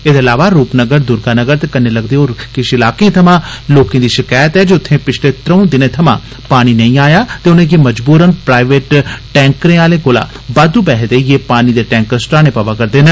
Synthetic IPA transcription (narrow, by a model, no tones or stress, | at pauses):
ed̪eəlaːʋaːɾuːpnəɡəɾd̪ʊɾɡaːnəɡəɾt̪eːkəneːləɡd̪eːɦoːkɪʃɪlaːkẽːt̪ʰəmãːloːkẽːd̪iːʃɪkaːjət̪ɦɛːd͡ʒeʊt̪ʰːẽːpɪt͡ʃʰleːt̪ɾə̃ũːd̪ɪnẽːt̪ʰəmã̰ː | paːɽ̃iːnəĩːaːjaːt̪eːʊnẽːkeməd͡ʒbuːɾənpɾaːɪʋeːʈʈɛ̃ːŋkɾẽːaːlẽːkoːla̰ː | baːd̪ũbɛːɦd̪eːjeːpaːniːd̪eːʈɛ̃ːŋkəɾsʈaːɽneːpaʋaːkəɾd̪eːnə